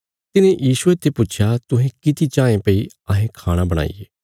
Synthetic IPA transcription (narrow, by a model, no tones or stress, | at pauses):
t̪ɪnẽjiːsuet̪ʰːepʊt͡ʃʰjat̪ʊɦẽkɪt̪it͡ʃãːẽpɐi | ɐɦẽkʰaːɽ̃abɐɽ̃a̰ːḭjḛː